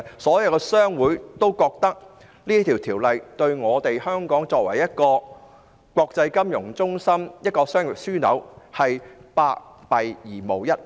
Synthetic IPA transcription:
sɔː˨˥jɐ˧wkɛ˧sœː˥ŋwuː˨˥t̪o˥wkɔː˧k̚t̪ɐ˥k̚ | liː˥t̪ʰi˨˩wt̪ʰiː˨˩wlɐ˨jt̪ɵ˧ɥŋɔː˨˧t̪e˨jhœː˥ŋkɔː˨˥ŋt͡sɔː˧k̚wɐ˨˩jjɐ˥t̚kɔː˧ | kʷɔː˧k̚t͡sɐ˧jkɐ˥mjʊ˨˩ŋt͡sʊ˥ŋsɐ˥mjɐ˥t̚kɔː˧sœː˥ŋjɪ˨˩t̚syː˥nɐ̰˨˧˥whɐ˨jpaː˧k̚ | pɐ˨jjiː˨˩mo˨˩wjɐ˥t̚

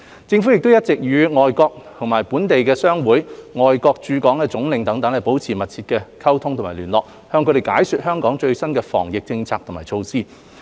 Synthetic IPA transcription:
t͡sɪ˧ŋfu˨˥jɪ˨k̚t̪o˥wjɐ˥t̚t͡sɪ˨k̚jyː˨˧ŋɔː˨jkɔː˧k̚t̪ʰʊ˨˩ŋmaː˨˩jpuː˨˥nt̪e˨jkɛː˧sœː˥ŋwuː˨˥jŋɔː˨˩jkɔː˧k̚t͡ʃyː˨˧kɔː˨˥ŋkɛː˧t͡sʊ˨˥ŋlɪ˨˧ŋt̪ɐ˨˥ŋt̪ɐ˨˥ŋɐ˨˩po˨˥wt͡sʰiː˨˩mɐ˨t̚t͡sʰiː˧t̚kɛː˧kʰɐ˥wt̪ʰʊ˥ŋt̪ʰʊ˨˩maː˨˩lyː˨˩nlɔː˨k̚ | hœː˧ŋkʰɵ˧ɾe˨˩jkaː˨˥jsy˨˧t̚hœː˥ŋkɔː˨˥ŋt͡ʃɵ˧ɥsɐ˥nkɛː˧fɔ̰ː˨˩ŋjɪ˨k̚t͡sɪ˧ŋt͡sʰaː˧k̚t̪ʰʊ˨˩maː˨˩jt͡ʃʰo˧wsiː˥

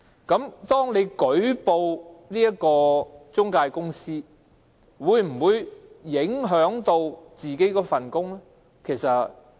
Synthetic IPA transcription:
kɐ˨˧˥mt̪ɔː˥ŋne˨˧jkɵ˨˥ɥpo˧wniː˥jɐ˥kɔː˧t͡sʊ˥ŋkaː˧jkʊ˥ŋsiː˥ | wuː˨˧jm̩˨˩wuː˨˧jjɪ˨˥ŋɦœː˨˥ŋt̪o˧wt͡siː˨ke˨˥jkɔː˧fɐ˨nkʊ˥ŋlɛ˥ | kʰe˨˩jsɐ˨˩t̚

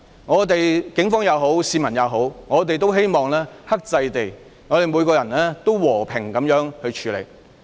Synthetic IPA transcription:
ŋɔː˨˧t̪e˨jkɪ˨˥ŋfɔː˥ŋjɐ˨˧wɦo˨˥wsiː˧mɐ˨˩njɐ˨˧wɦo˨˥wŋɔː˨˧t̪e˨jt̪o˥wɦe˥jmɔː˨˩ŋlɛː˥hɐ˥k̚t͡sɐ˧jt̪e˨˩j | ŋɔː˨˧ɾe˨jmuː˨˧jkɔː˧jɐ˨˩nlɛː˥t̪o˥wwɔː˨˩pʰɪ˨˩ŋkɐ˨˥mjœː˨˥ŋhɵ˧ɥt͡ʃʰyː˨˧lḛ˨˩j

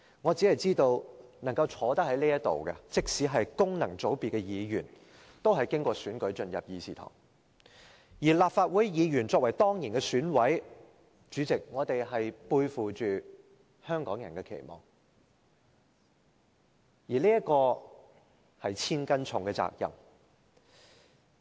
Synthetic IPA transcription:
ŋɔː˨˧t͡siː˨˥hɐ˨jt͡siː˥t̪o˧wnɐ˨˩ŋkɐ˧wt͡sʰɔː˨˥t̪ɐ˥k̚hɐ˨˥jliː˥jɐ˥tt̪o̰˨wkɛ̰˧t͡sɪ˨˥k̚siː˨˥ɦɐ˨jkʊ˥ŋnɐ˨˩ŋt͡so˨˥wpi˨tkɛ˧jiː˨˧jyː˨˩n | t̪o˥wɦɐ˨jkɪ˥ŋkʷɔː˧syː˨˥nkɵ˨˥ɥt͡ʃɵ˧njɐ˨p̚jiː˨˧siː˨˩t̪ʰɔ̰ː˨˩ŋ | jiː˨˩laː˨p̚faː˧t̚wuː˨˥jjiː˨˧jyː˨˩nt͡sɔː˧k̚wɐ˨˩jt̪ɔː˥ŋjiː˨˩nkɛː˧syː˨˥nwɐ˨˥j | t͡ʃyː˨˧˥t͡sɪ˨k̚ŋɔː˨˧t̪e˨jɦɐ˨jpuː˧jfuː˨t͡ʃyː˨ | hœː˥ŋkɔː˨˥ŋjɐ˨˩nkɛ˧kʰḛ˨˩jmɔ̰ː˨˩ŋ | jiː˨˩liː˥jɐ˥t̚kɔː˧ | hɐ˨jt͡sʰiː˥nkɐ˥nt͡sʰʊ˨ŋkɛ˧t͡sa̰ː˧k̚jɐ̰˨˩m

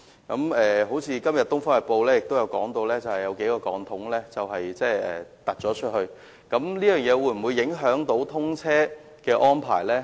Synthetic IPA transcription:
kɐ˨˧˥mɛː˨ɦo˨˥wt͡sʰiː˨˧kɐ˥mjɐ˨t̪̚ʊ˥ŋfɔː˥ɐ˨˩po˧wlɛː˥jɪ˨k̚t̪o˥wjɐ˨˧wkɔ̰ː˨˥ŋt̪o˧wlɛː˥t͡sɐ˨whɐ˨jɐ˨˧wke˨˥jkɔː˧kɔ̰ː˨˧ŋt̪ʰʊ˨˥ŋlɛː˥t͡sɐ˨wɦɐ˨jt͡sɛː˥˩ɛ̰ː˨t̪ɐ˨˩t̚t͡sɔː˨˥t͡ʃʰɵ˥t̚hɵ˧ɥ | kɐ˨˧˥mliː˥jœː˨˩ŋjɛː˨˧wuː˨˧˥jm̩˨˩wuː˨˧jɪ˨˥ŋɦœː˨˥ŋt̪o˨˥wt̪ʰʊ˥ŋt͡sʰɛː˥ | kɛː˧ʔɔː˥npʰa̰ː˨˩jlɛː˥

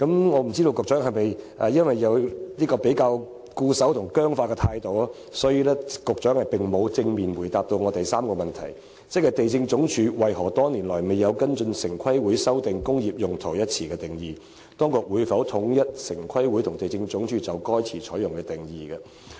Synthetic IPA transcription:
kɐ˨˥mŋɔː˨˧m̩˨˩t͡siː˥t̪o˧wkʊ˨k̚t͡ʃœː˨˥ŋɦɐ˨jmɐ˨˩jʔɐː˨jɐ˥nwɐ˨˩jːɐ˨˧wliː˥kɔː˧pe˨˥jkaː˧w | kuː˧sɐ˨˥wt̪ʰʊ˨˩ŋkœː˥ŋfaː˧kɛː˧t̪ʰaː˧jt̪o˨˧waː˥ | sɔː˨˥jiː˧lɛː˥kʊ˨k̚t͡ʃœː˨˥ŋhɐ˨jpɪ˨ŋmo˨˧wt͡sɪ˧ŋmiː˨nwuː˨˩jt̪aː˨p̚t̪o˧wŋɔː˨˧t̪ɐ˨jsaː˥mkɔː˧mɐ˨nt̪ʰɐ̰˨˩j | t͡sɛ˥kːɐ˨˧jt̪e˨jt͡sɪ˧ŋt͡sʊ˨˥ŋt͡ʃʰyː˨˧wɐ˨jhɔː˨˩t̪ɔː˥niː˨˩nlɔː˨˩jme˨˩jːɐ˨˧wkɐ˥nt͡sɵ˧nsɪ˨˩ŋkʷʰɐ˥jwu˨˥jsɐ˥wt̪ɪ˨ŋkʊ˥ŋjiː˨p̚jʊ˨ŋt̪ʰo˨˩wjɐ˥t̚t͡sʰiː˨˩kɛː˧t̪ɪ˨˩ŋjiː˨˩ | t̪ɔː˥ŋkʊ˨˩k̚wuː˨˧jfɐ˨˥wt̪ʰʊ˨˧˥ŋjɐ˥t̚sɪ˨˩ŋkʰɐ˥jwu˨˥jt̪ʰʊ˨˩ŋt̪e˨jt͡sɪ˧ŋt͡sʊ˨˥ŋt͡ʃʰyː˨˧t͡sɐ˨wkɔː˥jt͡sʰiː˨˩t͡ʃʰɔː˨˥jʊ˨˩ŋkɛː˧t̪ɪ˨˩ŋjiː˨ɡɐ˧

